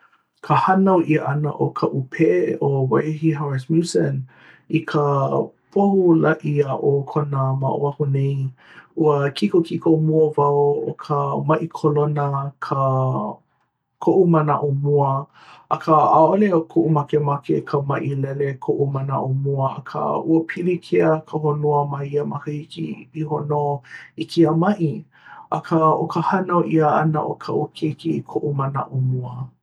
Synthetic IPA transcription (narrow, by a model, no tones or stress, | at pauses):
kʰəhɐnɐwʔiəʔɐnə̰ʔokʰəʔupʰeʔeʔowajɦiɦaɹɪsmjusən | ikʰəpʰohulaʔiaʔokʰonəma̰ʔo̰ahunej | uəkʰikokikomuəvaoo̰kʰəmɐʔikʰolonəkʰə | kʰoʔumɐnaʔomuə | ʔɐkʰəaoleokʰoʔumakemakḛkʰəmaʔilɛlekʰoʔuməna̰ʔomuəɐ̰kʰə̰uəpʰilikʰeəkʰəɦonuəmɐiəmɐkəhikḭpiɦonoikʰiəmɐʔi | ʔɐkʰəokəhɐnoʔiəɐ̰nə̰ʔo̰kʰaʔukʰekiːkʰoʔuməna̰ʔumuə